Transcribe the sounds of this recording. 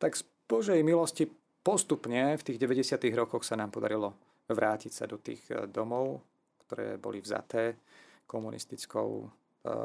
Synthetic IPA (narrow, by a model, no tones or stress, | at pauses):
t̪aɡz̥ | b̥ɔʒɛjmilɔsci | pɔst̪upɲɛft̪iːɣɟɛʋɛɟɛsɪat̪iɣɾɔkɔxsanaːmpɔd̪aɾilɔ | ʋɾʔaːcicsa̰d̪ɔt̪ḭːɣd̪ɔmɔʊ | kt̪ɔɾɛ̰ːbɔ̰livza̰t̪ɛː | kɔmunʔḭst̪it͡skɔ̰ʊ